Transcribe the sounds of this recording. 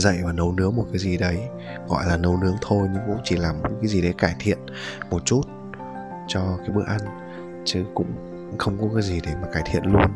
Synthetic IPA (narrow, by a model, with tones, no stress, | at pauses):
zə̰˧˨jmaː˨˩nə˨˦wnɨ˨˦əmo˨˩t̚kaː˨˦jzi˨˩ɗə˨˦j | ɣɔ̰˧˨jlaː˨˩nə˧wnɨ˨˦əŋt̪ʰo˧jɲɨ˧ŋkʊ̰˧˥ŋ͡mt͡ɕi˧˩laː˨˩m˨˦kaː˨˦jzi˨˩ɗə˨˦jkaː˧˩jt̪ʰḭ˧˨ən | mo˨˩t̚t͡ɕu˦˥t̚ | t͡ɕɔ˧kaː˨˦jɓɨ˦˥˩əʔa˧n | t͡ɕɨ˨˦kʊ̰˧˥ŋ͡m | xə˧wŋ͡mkɔ˨˦kaː˨˦jzi˨˩ɗe˧˩maː˨˩kaː˧˩jt̪ʰḭ˧˨ənlu˧ən